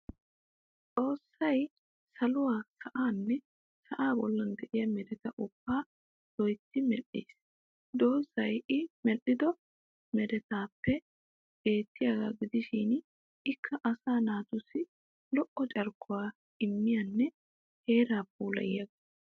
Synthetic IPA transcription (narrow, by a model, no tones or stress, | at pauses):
t͡sʼo̞ːsːɐj | sɐlʊwaːsɐʔaːnːɛ | sɐʔaːbɔlːɐnd̪ɛʔɪjɐmɛd̪ɛt̪ɐʔʊbːaː | d̪̥ɔjt̪ːɪmɛlːḭːs | d̪o̞ːsɐjɪmɛʔːɪd̪ɔ | mɛd̪ɛt̪aːpːɛ | b̥e̞ːt̪ːɪjaɡa̰ːɡɪd̪ɪʃɪn | ɪkʰːɐʔɐsaːnaːt̪ʊsɪ | lɔʔːɔt͡ʃʼɐɾkːʊwaː | ɪmːɪjɐnːɛ | he̞ːɾaːp̚uːlɐ̰jɪjɐɡ